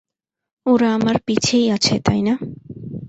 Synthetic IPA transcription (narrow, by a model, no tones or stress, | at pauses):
uɾaːmaɾpit͡ʃʰejʌt͡ʃʰet̪a̰jna